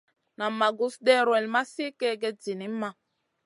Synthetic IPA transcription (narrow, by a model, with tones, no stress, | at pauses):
na˨ma˨ɡu˦sdɛ˦ɾwɛ˨lma˦si˦kɛ˦ɡɛ˦d͡zi˨ni˨˦mːa˦